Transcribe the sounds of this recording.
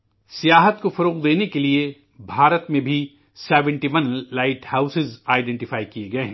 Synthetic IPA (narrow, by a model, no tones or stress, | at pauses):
sijaːɦət̪kofɐɾoːqd̪eːnekelie | bʱaːɾət̪mẽbʱi | sɛːʋɛ̃ɳʈimɐnllːaːɪʈhaːʊsɪzaːɪɖɛ̃ɳʈɪfaːikieɡɐeɦɛ̃ː